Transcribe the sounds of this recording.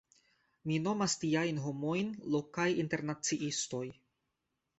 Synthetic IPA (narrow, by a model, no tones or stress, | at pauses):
mino̞mastiajnɦo̞mo̞jnlo̞kajinte̞ɾnat͡siʔisto̞j